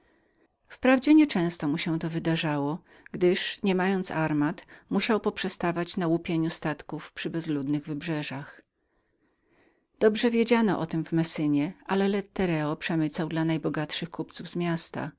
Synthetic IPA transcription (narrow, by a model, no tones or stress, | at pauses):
fpɾavd͡ʑɛɲɛt͡ʂɛ̃w̃st̪ɔmuɕɛ̃t̪ɔvɘd̪aʐawɔ | ɡd̪ɘʂɲɛmajɔnt̪saɾmat̪muɕawpɔpʂɛst̪avat͡ɕnawupʲjeɲust̪at̪kufpʂɘbɛzlud̪nɘɣvɘbʐɛʐax | d̪̥ɔbʐɛvʲjed͡ʑanɔ̰ʔɔt̪ɘmvmɛsɘɲɛalɛlɛt̪ːɛɾɛɔpʂɛmɘt̪sawd̪lanajbɔɡat̪ʂɘxkupt̪suvzmʲjast̪a̰